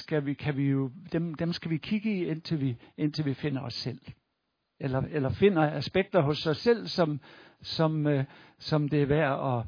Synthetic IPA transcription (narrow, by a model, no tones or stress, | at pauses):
sɡ̥æʋikʰæʋijo̝d̥emd̥emsɡ̥æʋikʰiɡ̥əien̰t͡sʰe̝lʋien̰t͡sʰe̝lʋife̝n̰ɐɒ̽sːel̰ | elɐelɐfe̝n̰ɐæsb̥eɡ̥̚d̥ɐɦɔ̽sɒ̽sel̰sɒ̽msɒ̽msɒ̽md̥e̝æʋæɐ̰ɒ̽